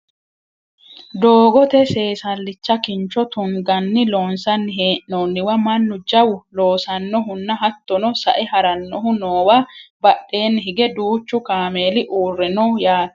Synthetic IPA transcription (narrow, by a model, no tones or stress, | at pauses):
d̪o̞ːɡɔt̪ɛse̞ːsɐlːɪt͡ʃːɐkɪnt͡ʃːɔt̪ʊŋɡɐnːɪlo̞ːnsɐnːɪɦeːʔnoːnːɪwɐmɐnːʊd͡ʒɐwʊlo̞ːsɐnːɔɦʊnːɐɦɐt̪ːɔnɔsɐ̰ʔɛɦɐɾɐnːɔɦʊnoːwaːbɐɗːe̞ːnːɪɦɪɡɛd̪uːt͡ʃːʊkaːme̞ːlɪʔuːrːɛnɔjaːt̪